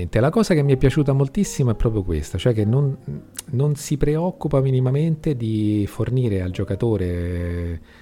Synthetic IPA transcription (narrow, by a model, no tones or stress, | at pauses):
nt̪elakɔːzak̟emːiɛpːjat͡ʃuːt̪amolt̪isːimaɛpːɾɔːpɾjokwḛst̪at͡ʃoɛk̟ːenːonː | onsipɾeɔkːupaminimament̪ed̪iforniːɾeald͡ʒokat̪oːɾe